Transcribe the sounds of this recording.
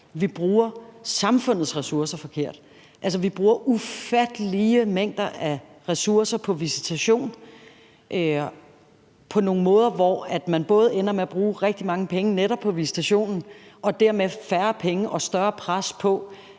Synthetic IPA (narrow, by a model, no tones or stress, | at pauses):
ʋib̥ʁuːɐsɑ̈mfɔ̽n̰ð̞̩ˠsʁɛsuɐsɐfɒ̽kʰe̝ɐ̰d̥ | ʔæls̬ɐʋib̥ʁuːɐʔufæd̥əliəmeŋ̰d̥ɐæ | ʁɛsuɐsɐpʰɒ̽ʋisi̥t͡sʰæɕo̝̰ːn | ʔ | pʰɒ̽no̝ːŋ̩mɔ̽ːð̞ˠɐʋɒæd̥mænb̥ɔ̽ːð̞ˠenɐmeæb̥ʁuːʁɛɡ̥̚d̥imɑ̈ŋəpʰeŋəneɾ̥ɒ̽b̥ʰɒ̽ʋisi̥t͡sʰæɕo̝̰ːnn̩ʔɒ̽d̥æɐ̰mefæɐpʰeŋəʔɒ̽sd̥ɶɐpʰʁaspʰɒ̽